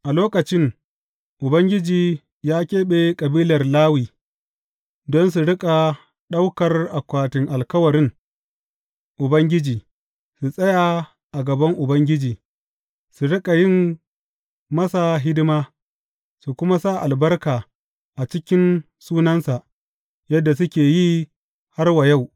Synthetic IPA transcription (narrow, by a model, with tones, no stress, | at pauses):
ʔa˨loː˦kɐ˨t͡ʃɪ˦ŋ | ʔʊ˨bɐ˦ŋɡʲɪ˦d͡ʒiː˨ | jaː˦kʲeː˦ɓe˦kʼɐ˨biː˦lɐ˨rlaː˦wiː˨ | dɔ˦ns̬u˨ɽɪ˦kʼa˨ | ɗa˦wkɐ˨rʔa˨kʷaː˨tɪ˨ŋʔa˨lkɐ˦wɐ˨ɾɪ˦ŋ | ʔʊ˨bɐ˦ŋɡʲɪ˦d͡ʒiː˨ | su˨sʼɐ˦jaː˨ | ʔa˨ɡɐ˨bɐ˦ŋʔʊ˨bɐ˦ŋɡʲɪ˦d͡ʒiː˨ | su˨ɽɪ˦kʼa˨jɪ˦˨m | mɐ˦sa˨ɦɪ˦dɪ˦maː˦ | su˨kʷʊ˦ma˦sa˦˨ʔa˨lbɐ˦rkaː˨ | ʔa˨t͡ʃɪ˦kʲɪ˦n | suː˦nɐ˦nsa˨ʔ | jɐ˦dːa˨s̬ʊ˦kʲeː˨ji˦ | ha˦rwa˨ja˦˨w